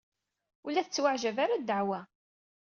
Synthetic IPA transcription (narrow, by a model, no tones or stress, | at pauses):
ulæθət͡sːwaʕʒævaɾad̪ːəʕwæ